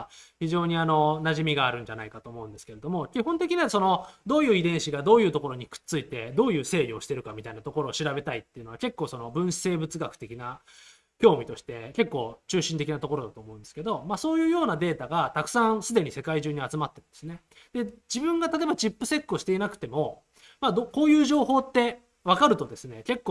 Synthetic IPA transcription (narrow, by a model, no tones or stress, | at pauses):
çiʑo̞ːɲ̟iano̞naʑimʲiɡaːɾɯ̟̃ɲ̟d͡ʑanaikat̪o̞ːmo̞ɯ̃nd̪esɨ̥keɾe̞d̪omo̞kʲiɦõ̞nt̪e̞kʲiɲ̟iaso̞no̞d̪o̞ːjɯ̟ːid̪ẽɰ̃ɕiɡad̪o̞ːjɯ̟ːt̪o̞ko̞ɾo̞ɲ̟ikɯ̥t͡sɨit̪e̞d̪o̞ːjɯ̟ːse̞ːɾʲio̞ɕi̥t̪e̞ɾɯ̟kamʲit̪ainat̪oko̞ɾo̞ːɕiɾabe̞t̪ait̪ːeiɯ̟noake̞kːo̞ːso̞no̞bɯ̟̃ɰ̥̃se̞ːbɯ̟t͡sɨɡakɯ̥t̪e̞kʲina | kʲo̞ːmʲit̪o̞ɕi̥t̪e̞ke̞kːo̞ːt͡ɕɨːɕĩnt̪e̞kʲinat̪oko̞ɾo̞d̪at̪oːmoɯ̃nd̪sɨ̥ke̞d̪o̞masoːjɯ̟ːjo̞ːnad̪e̞ːt̪aɡat̪akɯ̟̥sãsɨd̪e̞ɲ̟ise̞kaiʑɨːɲ̟iat͡sɨmat̪ːe̞ɾɯ̟nd̪e̞sɨne | d̪̥e̞d͡ʑibɯ̟̃ŋɡat̪at̪ebat͡ɕipːɯ̟se̞kːɯoɕi̥t̪e̞inakɯ̟t̪e̞mo̞ | mad̪oko̞ːjɯ̟ːʑo̞ːɦo̞ːt̪ːe̞ | β̞akaɾɯ̟t̪od̪e̞sɨne̞ke̞kːo